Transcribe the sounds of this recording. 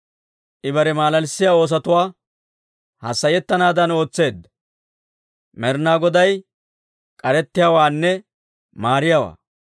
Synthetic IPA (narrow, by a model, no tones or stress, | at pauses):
ʔɪbɐɾɛmaːlɐlsːɪjaːo̞ːs̬ɐt̪ʊwaː | hɐsːɐjɛt̪ːɐnaːd̪ɐno̞ːt͡sːe̞ːd̪ːɐ | mɛɾnaːɡɔd̪ɐj | kʼɐɾɛt̪ːɪjawaːnːɛ | maːɾɪjawa̰ː